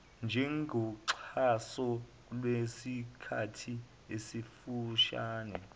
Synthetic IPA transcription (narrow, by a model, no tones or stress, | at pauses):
nd͡ʒʱɛŋɡʱɔǀʰasɔ | lwesikʰatʰi | esifuʃaːnɛ